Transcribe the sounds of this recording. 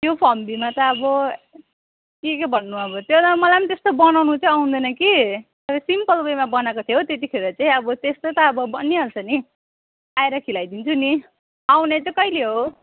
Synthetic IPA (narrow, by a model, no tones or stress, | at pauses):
t̪jopʰʌmbimat̪ʌːbʌ | kikebʱʌnːuʌbʌt̪jod̪amʌlajmt̪est̪obʌnawnut͡sʰʌ̃aw̃nd̪ʌnʌki | ʌɾʌsimpʌlbejmabʌnakot̪ʰjot̪et̪ikʰeɾʌt͡saĩʌbʌt̪est̪ot̪ʌːbʌbʌnːiɦʌlt͡sʰʌni | ajɾʌkʰilajd̪int͡sʰuni | aw̃net͡sʌkʌileɦo